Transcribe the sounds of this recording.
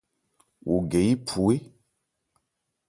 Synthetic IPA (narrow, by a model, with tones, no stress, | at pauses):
wʔu˨ɡe˨i˦pʰu˨e˦